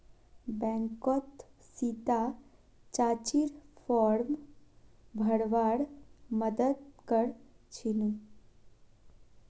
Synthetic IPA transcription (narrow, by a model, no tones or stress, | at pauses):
bɛ̃ŋkɔt̪sit̪a | t͡ʃaːt͡ɕiɾfʰɔɾm | bʱəɽʋaːɽməd̪əd̪kəɽ | t͡ʃʰin